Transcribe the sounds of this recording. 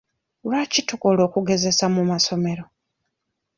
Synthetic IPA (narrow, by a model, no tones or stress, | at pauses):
lwacitokolo̞ːkuɡe̞ze̞samumaso̞me̞ɾo